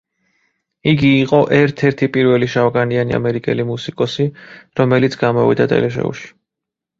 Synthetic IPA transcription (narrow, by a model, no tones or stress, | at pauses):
iɡiːqʼɔʔɛɾt̪ʰɛɾt̪ʰipʼiɾvɛliʃavɡaniania̰mɛɾikʼɛlimusikʼɔsiɾɔmɛlit̪sʰɡamɔvḭd̪at̪ʼɛ̰lɛʃ̬ɛ̰ṵʃi̥